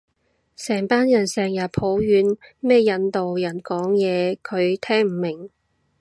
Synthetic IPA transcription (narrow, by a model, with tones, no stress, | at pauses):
sɛː˨˩ŋpaː˥njɐ˨˩nsɛː˨ŋjɐ˨˩pʰo˨˥wjyː˨˧nmɛː˥jɐ˨˧nt̪o˨wjɐ˨˩nkɔː˨˥ŋjɛː˨˧kʰɵ˨˧ɥt̪ʰɛː˥ŋm̩˨˩mɪ˨˩ŋ